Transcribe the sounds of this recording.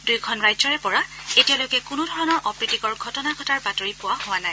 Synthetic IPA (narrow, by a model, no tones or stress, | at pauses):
dujkʰɔnɹajzɔɹɛpɔɹaetijalojkɛkʊnudʱɔɹɔnɔɹʔɔpɹitikɔɹɡʱɔtɔnakʰɔtaɹbatoɹipʊwahʊwanaj